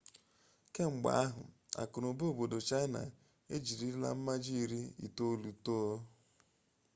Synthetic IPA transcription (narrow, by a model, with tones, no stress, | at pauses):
ke˦ŋ͡m̩˨ɡ͡ba̰˨a˦ɦʊ̰˨a̰˨kʊ˨ɾo˨bo˦o˨bo˨do˨t͡ʃa˦ɪ˦na̰˨ | e˦d͡ʒi˨ɾi˦la̰˦m̩˦ma˦d͡ʒi˦˨ɾi˦ḭ˨to˦lu˨to˦